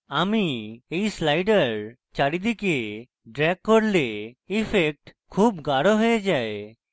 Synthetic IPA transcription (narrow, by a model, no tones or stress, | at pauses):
amiejslajɖəɾ | t͡ʃaɽid̪ike | ɖɾɛɡ̚koɾleipʰek̚ʈkʰuːbɡaɽoɦojed͡ʒae